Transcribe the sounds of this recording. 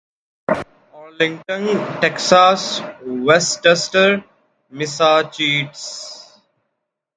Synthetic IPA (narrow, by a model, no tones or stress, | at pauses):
ɔːɾlɪ̃ŋɡʈə̃nʈeksaːsʋesʈesʈəɾ | mɪsaːt͡ʃiːʈs